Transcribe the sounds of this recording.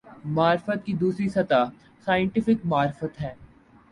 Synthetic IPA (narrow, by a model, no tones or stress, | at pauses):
maːɾɪfət̪̚kid̪uːsɾisɐt̪a | saːə̃ɳʈɪfɪkmaːɾɪfət̪ɦɛː